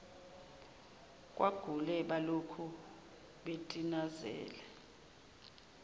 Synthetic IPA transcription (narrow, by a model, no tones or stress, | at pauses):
kʼwaɡ̥ʱulɛɓalokʰu | ɓetʼinazɛ̰ːlɛ